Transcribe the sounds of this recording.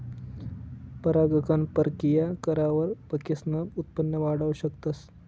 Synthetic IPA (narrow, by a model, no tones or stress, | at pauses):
pəɾaɡəkʰanpəɾkijakəɾaʋəɾpəkisnəbut̪̚pənːjəʋaɽaʋɕəkt̪as